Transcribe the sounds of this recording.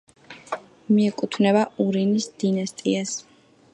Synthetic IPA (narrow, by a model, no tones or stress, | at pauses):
miɛkʼut̪ʰvnɛbauɾinisd̪̥inast̪ʼias